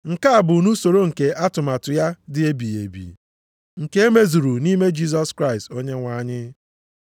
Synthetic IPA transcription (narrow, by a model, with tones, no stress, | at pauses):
ŋ̩˨ka˦a˨bʊ˨u˨nu˦so˨ɾo˦ŋ̩˨ke˨ʔa˦tʊ˨ma˨tʊ˨ja˦dɪ˨˦e˦bi˨ḛ˨bḭ˨ | ŋ̩˨ke˦e˦me˦zu˨ɾu˨ni˦me˦d͡ʒi˦s̬ɔ˦skɾa˦˨ɪ˨sto˦ɲe˦ŋʷa˦˨ɲɪ˦